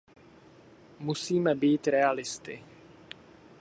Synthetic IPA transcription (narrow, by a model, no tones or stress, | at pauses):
musiːmɛbiːt̪ɾɛalɪst̪ɪ